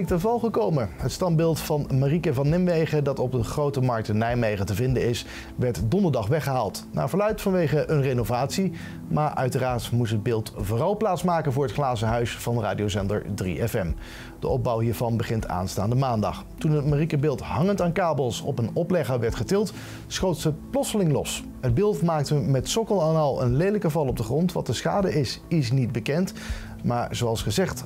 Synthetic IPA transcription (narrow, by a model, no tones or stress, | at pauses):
ɪk̚təvɑlˠχəkowməɦətstɑmbɪːlˠtfɑnmarikəvɑnɪmʋejχədɑtɔb̚dəχrowtəmɑɹk̚tənɛjmejχətəvɪndənɪs | ʋɛɹtdɔndəɹdɑχʋɛχəɦaːlˠt | na̰ːvəɹlœɥtfɑnʋejχəənrenovaːtsi | maːɹʔœ̰ɥtəraːɹtmutɦəd̚bɪːlˠtvʊːrɑlˠplaːtsmaːkənvʊːɹətχlaːzənɦœɥsfɑnra̰ːdiowsɛndə̰ɹdrḭɛfɛm | d̥əɔb̚bɑwɦiːɹvɑnbəχɪntʰa̰ːnstaːndəmaːndɑ̰χ | tunɦətmarikəbɪːlˠtɦɑŋəntaːnkaːbəlˠsɔ̰pənɔplɛχəʋɛɹtχətɪlˠt | sχowtsəplɔsəlɪŋlɔ̰s | ɦəd̚bɪːlˠtmaːk̚təmɛtsɔkəlˠaːnɑlˠə̰nlejdələkəvɑlˠɔb̚dəχrɔntʋɑ̰t̚dəsχa̰ːdəɪsɪs̬nit̚bəkɛnt | maːɹzoɑlˠsχəzɛχt